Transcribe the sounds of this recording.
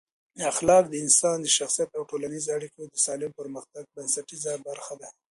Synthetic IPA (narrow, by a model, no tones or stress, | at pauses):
əaxlɑk̚d̪əɪnsɑnd̪əʃaxsijat̪awʈolanizoaɽikod̪əsɑlɪmpəɾməxt̪aɡ̚bansaʈizabaɾxad̪a